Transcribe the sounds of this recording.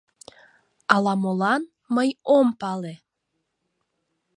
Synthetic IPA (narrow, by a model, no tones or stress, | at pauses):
ɑlɑmolɑn | məjompɑle